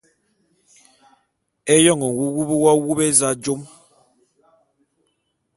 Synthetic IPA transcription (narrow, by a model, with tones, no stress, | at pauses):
ɛ˦jɔ˦˨ŋɔ˨ŋ̩˨wu˦wu˦bu˦wa˦wu˦bɛ˦za˦d͡ʒo˦m